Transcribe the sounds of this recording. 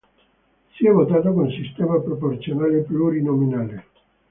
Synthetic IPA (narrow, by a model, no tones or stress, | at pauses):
siɛvot̪aːt̪akonunsist̪ɛːmapɾoport̪sjonaːlepluɾinominaːle